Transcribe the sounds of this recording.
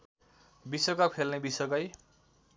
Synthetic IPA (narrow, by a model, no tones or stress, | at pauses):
bisʌkʌkpʰelnebisʌkʌj